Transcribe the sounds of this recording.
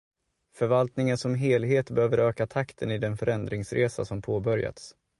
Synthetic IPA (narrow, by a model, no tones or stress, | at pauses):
fœɾvalt̪nɪŋənsɔmɦeːlɦeːt̪bɛøːvəɾøːkat̪ʰakt̪ʰənɪd̪ɛnfœɾɛnd̪ɾɪŋsɾʔeːsa̰sɔmpʰoːbœɾja̰t̪s